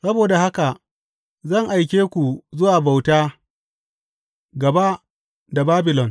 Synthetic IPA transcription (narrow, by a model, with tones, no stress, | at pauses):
sɐ˦boː˨da˨ha˦ka˨ | zɐ˦˨ŋʔa˨jkʲeː˦kʷu˨zʊ˦waː˨ba˨wtaː˦ | ɡɐ˨ba˦ | da˨baː˦bɪ˨lɔ˨n